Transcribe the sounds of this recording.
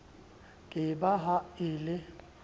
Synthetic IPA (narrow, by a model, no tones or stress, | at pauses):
kʼɪbaɦaɪːlɪ